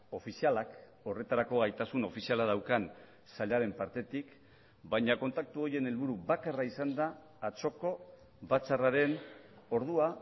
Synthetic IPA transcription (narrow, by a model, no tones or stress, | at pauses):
o̞fisialak | o̞re̞t̪aɾako̞ɣajt̪asuno̞fisialað̞awkan | saʎaɾe̞mpaɾt̪e̞t̪ik | bajɲako̞nt̪ak̚t̪uo̞je̞ne̞lβuɾuβakaraisand̪aː | t͡so̞ko̞ | βat͡saraɾe̞n | o̞ɾðua